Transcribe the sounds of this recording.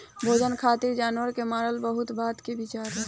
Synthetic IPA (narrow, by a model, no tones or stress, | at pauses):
bʱoːd͡ʒənkʰaːt̪iɾd͡ʒaːnʋəɾkemaːɾəlbəɦut̪baːt̪kebit͡ʃaːɾɦɛ